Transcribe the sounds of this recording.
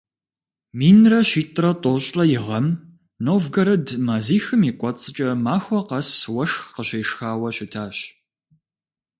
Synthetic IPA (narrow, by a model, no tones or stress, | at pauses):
miːnrɐʃiːtʼrɐtʼoːɕʼɐjɪʁɐm | noːvɡɐɾɨdmaːziːxɨmiːkʷʼɔt͡sʼɨt͡ʃʼɐmaːxʷɔqɐswɐʂxqəɕeːʂxaːwɐɕɪtʰaːɕ